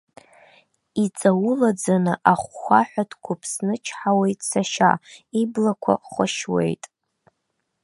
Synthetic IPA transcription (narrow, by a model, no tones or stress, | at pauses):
it͡sʼawʊlad͡zanɨʔaχʷːaħʷᶣatʰkʷʰʊpʰsnɨt͡ʃʰħawe̞jtʼsaʃa̰iblakʷʰa̰χʷəʃwḛjtʼ